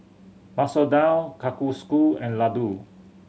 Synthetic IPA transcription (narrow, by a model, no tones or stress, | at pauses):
masodãwkakuskulɛ̃nladu